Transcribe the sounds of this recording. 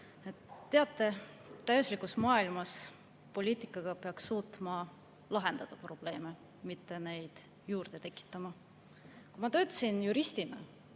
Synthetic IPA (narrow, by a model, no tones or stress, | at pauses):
et̪ːe̞ɑt̪ˑːe̞ | t̪ːæjosʲlikˑusmɑːilmɑs | po̞lʲiːt̪ˑikːˑɑɡ̥ɑpeɑksːuːt̪ˑmɑ | lɑɦe̞nd̪̥ɑd̪̥ɑpro̞b̥le̞ːme | mit̪ːe̞ne̞jd̪̥ | juːrd̪̥e̞t̪e̞kːˑi̥t̪ːˑɑmɑ | kumɑt̪ø̞ːt̪ːˑɑ̥sinjuɾist̪inɑ